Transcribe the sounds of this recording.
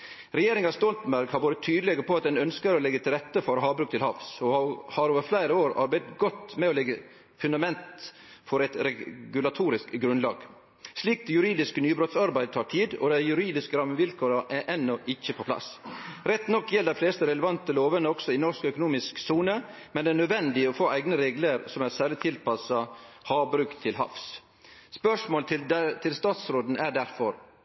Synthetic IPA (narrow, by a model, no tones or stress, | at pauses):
ɾɛjeːɾɪŋɑst̪ɔlt̪mbæɾɡhɑɾʋoːɾət̪ʰyːd̪əlɛɡəɾpʰɔɑt̪̚d̪ɛnœnskəɾɔlɛɡət̪ʰɪlɾɛt̪ːəfɔɾɦɑːʋbɾʉːk̚t̪ɪlhɑ̰ʋsɔhɑɾoːʋəɾflæɪɾəoːɾɑ̰ɾbæɪd̪ət̪ɡɔt̪mɛoːlɛɡə | fʉnd̪ɑmɛnt̪ | fɔɾɛt̪ɾɛɡʉlɑt̪ʰuːɾɪskɡɾʉnlɑːɡ̥ | sliːk̚d̪ɛjʉɾiːd̪ɪskənyːbɾɔt̪sɑɾbæɪd̪ət̪ʰɑːʈʰiːd̪ɔ̰d̪æɪjʉɾiːd̪ɪskəɾɑməʋɪlkʰoːɾɑʔæɾʔɛnːɔʔɪçːəpʰɔpʰlɑ̰sɾɛt̪nɔkːjɛld̪æɪfleːst̪əɾɛləʋɑnt̪əloːʋənəɔɡ̥sɔɪnɔʂkœkʊnuːmɪsksuːnə | mɛnd̪ɛæɳœd̪ʋɛnd̪ɪɔfoːʔæɪɡnəɾeːɡləɾsɔmæsæːɭɪt̪ʰɪlpʰɑsɑhɑːbɾʉːkt̪ʰɪlɦɑ̰fs | spœʂmoːlt̪ʰɪt̪ʰɪlst̪ɑːt̪sɾoːd̪n̩æɖæɾfɔɾ